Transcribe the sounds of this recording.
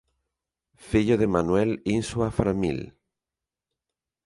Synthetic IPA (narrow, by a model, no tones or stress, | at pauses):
fiʎoðemanwɛlinswafɾamḭl